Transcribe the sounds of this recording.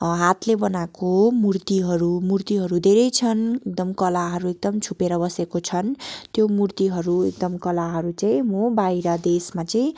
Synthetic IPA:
ɦat̪lebʌnakomurt̪iɦʌɾumurt̪iɦʌɾud̪ʱeɾʌjt͡sʰʌnek̚d̪ʌmkʌlaɦʌɾuek̚d̪ʌmt͡sʰupeɾʌbʌsekot͡sʰʌnt̪jomurt̪iɦʌɾuek̚d̪ʌmkʌlaɦʌɾut͡saĩmobaiɾʌd̪esmat͡saĩ

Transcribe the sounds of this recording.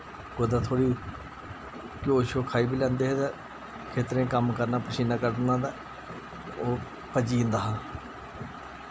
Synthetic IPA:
kod̪aːt̪ʰoːɽiː | koːʃoːkʰaːiːbiːlɛ̃ːnd̪eːɦed̪ɛː | kʰeːt̪ɾẽːkəmkəɾnaːpəʃiːnãːkəɾd̪nãːd̪a | oː | pəd͡ʒiːnd̪aːɦãː

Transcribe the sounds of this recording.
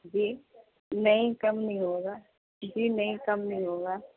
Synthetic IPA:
d͡ʒiː | nɐɦĩkɐmnəɦĩɦoːɡaː | d͡ʒiːnɐɦĩkɐmnɐɦĩɦoːɡaː

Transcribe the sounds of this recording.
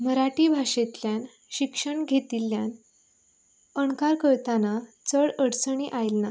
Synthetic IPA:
məɾaʈiːbʱaɕet̪ljan | ɕikʂəɳɡʱet̪ilːjan | əɳkaɾkəɾt̪anat͡səɭəɽt͡səɳ̃iʔajlna

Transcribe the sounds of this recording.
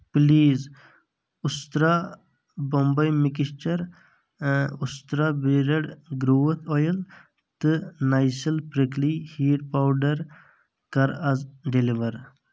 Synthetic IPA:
pliːz | ust̪ɾa | bɔmbɐjmikist͡ʃɐɾ | ust̪ɾabiɾɐɽɡɾuwət̪ʰɔjəl | t̪ɨnajsəlpɾəklihiːʈ̚pawɖɐɾ | kɐɾɐzɖeliʋɐɾ

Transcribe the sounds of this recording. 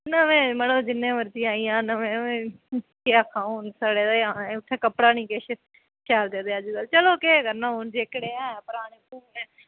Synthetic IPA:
nəʋẽːməɽõːd͡ʒɪnːẽːʋəɾd͡ʒ̪iːaːiːãːnəʋẽːẽːkeakʰãːonsaɽeːd̪ãːnːʊt̪ʰːɛːkəpɽaːnĩːkeʃ | ʃaːld̪eːd̪eːad͡ʒukəlt͡ʃəloːkekəɾnəʊnd͡ʒeːkɽeːãːpʊɾaːɽ̃eːpuːnɛː

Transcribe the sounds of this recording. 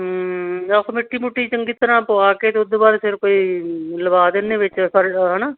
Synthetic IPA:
ɦaːkʰomɪʈːiːmuʈːiːt͡ʃəŋɡiːt̪əɾãːpoaːkeːt̪eːʊd̪oːbaːɾpʰɪɾkoːiːləbaːd̪eːneːʋɪt͡ʃpʰəɾɦːnaː

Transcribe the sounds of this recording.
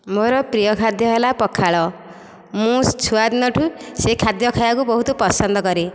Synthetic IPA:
moɾʌprijʌkʰad̪jʌɦelapʌkʰːaɭʌ | mũst͡sʰuad̪nʌʈʰusekʰːad̪jʌkʰajakubʌɦut̪opʌsʌnd̪ʌɡʌɾe

